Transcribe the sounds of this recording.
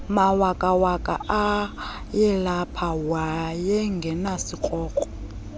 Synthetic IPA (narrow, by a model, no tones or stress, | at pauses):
mawakʼawakʼa̰ʔa | jɛlapʰawajɛŋɡʱɛnasik͡xʼɔːk͡xʼɔ̥